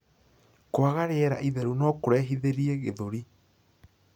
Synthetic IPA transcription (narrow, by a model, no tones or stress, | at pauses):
kwaɣaɾeɛɾa̰ʔiðɛɾunɔkoɾɛɦiðeɾieɣeðoɾi